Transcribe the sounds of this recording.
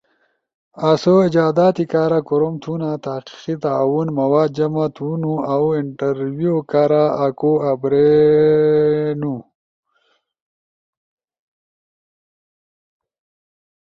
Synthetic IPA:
asoid͡ʑaːd̪aːt̪ikaːɾakuɾomt̪ʰunat̪aqi̥qit̪aːwunmɐwaːd̪̚d͡ʒɐmat̪ʰunuawiɳʈɐɾwiokaɾaakoabɾe | nu

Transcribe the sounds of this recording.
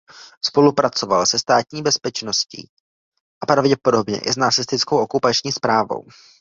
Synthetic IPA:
spo̞lupɾat͡so̞valsɛst̪aːt̪ɲiːbɛspɛt͡ʃno̞scḭː | ʔapɾavɟɛpo̞do̞bɲɛ̰ʔɪ̰snat͡sɪst̪ɪt͡skowʔokupat͡ʃɲiːspɾaːvo̞̰w

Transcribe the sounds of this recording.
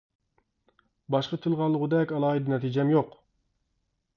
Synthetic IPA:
bɑʃqɑt̪ʰɨlˠʁɑlˠːəʁʊd̪ɛkʲɑlˠɑːɨd̪ɨnɛt̪ʰid͡ʒɛmjoq

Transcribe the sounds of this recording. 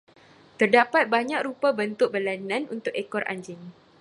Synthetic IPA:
t̪ərdapat̪̚baɲãk̚rupabənt̪ʊk̚bərlanãnunt̪ʊkekɔrʔa̰ɲd͡ʒɪŋ

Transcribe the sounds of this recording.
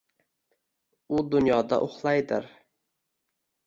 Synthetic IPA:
ud̪ʊnjɑːd̪ɑ̰ʔoχlˠɑjd̪ɪɾ

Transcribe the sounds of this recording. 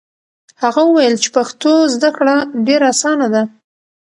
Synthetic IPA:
haɣawəwajəlt͡ʃe̥paxt̪ozd̪akɽaɖeɾasɑnad̪a

